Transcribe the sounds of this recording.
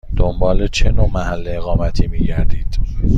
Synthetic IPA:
d̪̥ombɒːlet͡ʃʰe̞noːmæhælːeeɣɒːmæt̪ʰiːmiːɟæɾd̪iːd̪̥

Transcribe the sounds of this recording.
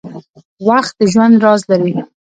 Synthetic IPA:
waxt̪̚d̪əʒwand̪ɾɑzlaɾi

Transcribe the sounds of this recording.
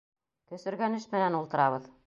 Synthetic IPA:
t̪ɵ̆sɘ̆ɾɡænɘʃmɘ̆nænulˠt̪ɤ̆ɾɑβɤð

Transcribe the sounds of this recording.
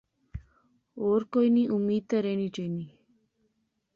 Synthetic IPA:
oːɾkojniʔumiːt̪ːəɾenit͡ʃejni

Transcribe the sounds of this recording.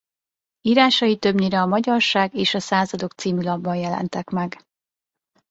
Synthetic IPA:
iːɾaːʃɒjit̪ø̞bɲiɾɛɒmɒɟɒrʃaːɡeːʃɒsaːzɒd̪o̞k̚t̪siːmylɒbːɒnjɛlɛ̰nt̪ɛkmɛɡ

